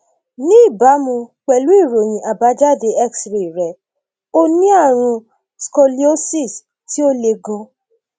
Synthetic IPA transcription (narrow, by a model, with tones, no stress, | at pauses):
nĩ˦i˦˨ba˨˦mũ˧k͡pɛ˨lu˨˦i˦˨ɾo˨j̃ĩ˨ʔa˨ba˨˦d͡ʒa˦˨de˧ɛ˦ksɾi˨ɾɛ˨ | o˦nĩ˦a˦˨ɾ̃ũ˧ | skɔ˧li˦o˦si˦˨s | ti˦o˦le˧ɡɔ̃˧